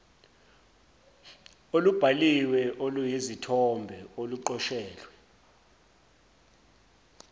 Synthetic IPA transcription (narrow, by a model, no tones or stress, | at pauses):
olub̥ʱaliwɛʔolujizitʰɔmbʱɛoluǃɔʃɛːlwɛ